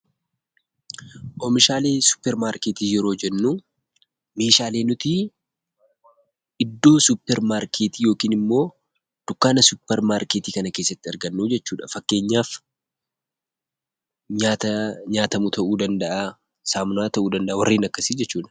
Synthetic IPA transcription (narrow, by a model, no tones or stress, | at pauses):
ʔɔmɪʃaːle̞ːsʊ̥pːɛɾmaːɾkeːt̪iːjɛɾo̞ːd͡ʒɛnːuː | me̞ːʃaːle̞ːnʊt̪ɪ | ɪd̪ːo̞ːsʊpːɛɾmaːɾkʰeːt̪iːjo̞ːkiːnɪmːo̞ː | d̪̥ʊkːaːnɐsʊpːɛɾmaːɾkeːt̪iːkɐnɐke̞ːsːɐt̪ːɪɐɾɡɐnːuːd͡ʒɛt͡ʃːuːᶑɐfɐkːe̞ːɲːaːf | ɲaːt̪ɐɲaːt̪ɐmut̪ʰɐʔuːd̪ɐnd̪ɐʔa | saːmʊnaːt̪ɐʔuːd̪ɐnd̪ɐʔawɐ̰rːiːnɐkːɐsid͡ʒɛt͡ʃːuːᶑɐ̥